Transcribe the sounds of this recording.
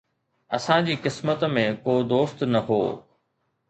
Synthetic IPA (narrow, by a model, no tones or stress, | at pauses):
ɐsãd͡ʑiːqɪsmət̪mẽkoːd̪oːst̪nɐɦo̰ː